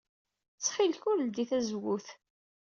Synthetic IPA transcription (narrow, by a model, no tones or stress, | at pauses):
t͡sːχɪlçʊɾld̪iθæzwʊθ